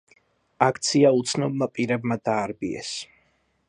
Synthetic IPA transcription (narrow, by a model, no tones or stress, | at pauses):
akʰt̪sʰiaut̪sʰnɔb̚mapʼiɾɛbmad̪aːɾbiɛ̰s